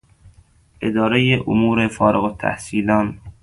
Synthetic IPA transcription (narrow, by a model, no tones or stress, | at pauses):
ʔed̪ɒːɾejeʔomuːɾefɒːɾeɣot̪ʰæ̰hsiːlɒːn